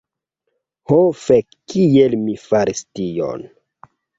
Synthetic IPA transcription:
hofekːijelmifaɾistio̰n

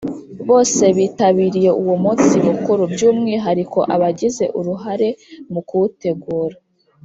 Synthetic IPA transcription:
βo̞ːse̞βiːtaβiːɾije̞ʔuwomut͡simukuɾubjuːmŋiɦaɾikʰo̞̰ʔaβaɟize̞ʔuɾuɦaɾe̞mukuute̞ɡuːɾa

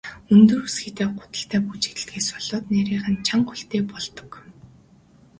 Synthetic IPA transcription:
ɵnt̪ɵ̆ruːsxit̪æːɢʊ̥t̪ə̆ɬt̪ʰæːput͡ɕi̥t̪ɘ̆ɬt̪ɡeːsɔɮɔːt̪næɾiːχə̆nt͡ɕʰaŋχuɬt̪eːpɔɮt̪ɞ̥̆k

